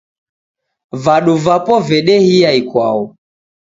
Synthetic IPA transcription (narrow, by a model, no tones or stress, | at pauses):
vaɗuvapɔvɛɗɛhijaikwa̰ɔ